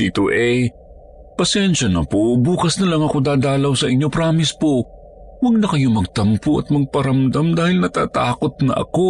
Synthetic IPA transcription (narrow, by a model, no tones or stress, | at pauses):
iːt̪oʔɛ | pɐsɛnʃɐnɐ̰pobuːkɐsnɐlɐŋɐko̞d̪aːd̪aːlɐwsɐʔɪɲːo̞pɾaːmɪspo | wɐɡ̚nɐkɐjo̞mɐɡ̚t̪ɐmpoʔɐ̰t̪̚mɐɡ̚pɐɾɐmd̪ɐmd̪aːhɪlnɐt̪a̰ːt̪aːko̞t̪̚nɐ̰ʔɐ̰ko̞